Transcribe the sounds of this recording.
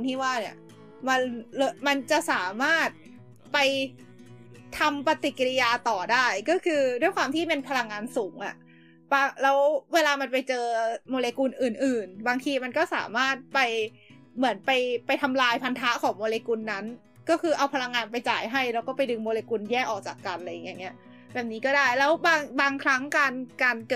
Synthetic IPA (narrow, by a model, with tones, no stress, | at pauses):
nt̪ʰiː˥˩waː˥˩ni˧˩ɐ | ma˧nlma˧nt͡ɕa˨˩ʔsaː˩˦maː˥˩t̪̚ | pa˧j | t̪ʰa˧mpa˧t̪i˨˩ki˧li˦˧jaː˧t̪ɔː˨˩daː˥˩jkɔː˥˩kʰɯː˧du˥˩əjkwaː˧mt̪ʰiː˥˩pe˧npʰa˧la˧ŋːaː˧nsuː˩˦ŋʔa̰˨˩ʔ | paː˧lɛː˦˥wweː˧laː˧ma˧npa˧jt͡ɕɤː˧moː˧leː˧kuː˧nʔɯː˨˩nʔɯː˨˩nbaː˧ŋt̪ʰiː˧ma˧nkɔː˥˩sa̰ː˩˦maː˥˩t̪̚pa˧j | mɯ˨˩˦ənpa˧jpa˧jt̪ʰa˧mlaː˧jpʰa˧nt̪ʰa˦˥kʰɔː˩˦ŋmoː˧leː˧ku˧nːa˦˥n | kɔː˥˩kʰɯː˧ʔa˧wpʰa˧la˧ŋːaː˧npa˧jt͡ɕaː˨˩jɦa˥˩jlɛː˦˥wkɔː˥˩pa˧jdɯ˧ŋmoː˧leː˧ku˧njɛː˥˩k̚ʔɔː˨˩k̚t͡ɕaː˨˩kːa˧nla˧ja˨˩ŋi˦a˧˩ŋːi˦˥ɐʔ | bɛː˨˩p̚niː˦˥kɔː˥˩daː˥˩jlɛː˦˥wbaː˧ŋbaː˧ŋkʰɾa˦˥ŋkaː˧nkaː˧nkɤ˨